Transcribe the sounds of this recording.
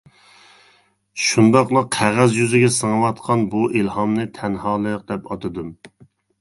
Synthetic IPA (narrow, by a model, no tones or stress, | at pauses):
ʃund̪ɑqlˠɨqʰæʁæzjyzɪɡʲɛsɨŋəwɑt̪qʰɑnbuʔilhɑmnɨt̪ʰɛnhɑːlˠɨjəq̚d̪ɛpɑt̪ʰɨd̪ɨm